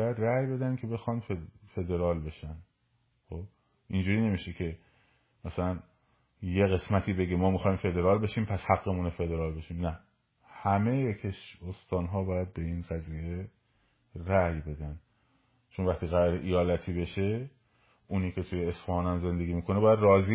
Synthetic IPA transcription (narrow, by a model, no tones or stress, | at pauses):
bɔjæd̪ræjbe̞d̪ænkʲʰe̞be̞xɒːnd̪ffe̞d̪e̞ɾɒːlbe̞ʃæn | xob | ʔind͡ʒuːɾiːne̞miːʃekʰe̞ | mæsælæn | je̞ɣe̞smæt̪ʰiːbe̞ɡemɒːmixɒːjimfe̞d̪e̞ɾɒːlbe̞ʃiːmpʰæshæɡːemunefe̞d̪e̞ɾɒːlbe̞ʃiːmnæ | hæme̞jekʰeʃost̪ɒːnɦɒːbɒːjæd̪̚be̞iːnɡæziːje̞ | ɾæjbe̞d̪æn | t͡ʃʰonvæχt̪iːɣæɾɒːɾeʔijɒːlæt̪ʰiːbe̞ʃe | uniːkʰe̞t̪ʰujeːsfɒːnænze̞nd̪e̞ɡiːmiːkʰo̞neɒːjæd̪rɒːzi